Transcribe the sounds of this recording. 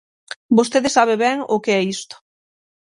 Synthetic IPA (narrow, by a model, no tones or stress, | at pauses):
bost̪eðesaβ̞eβɛŋokeɛist̪o̥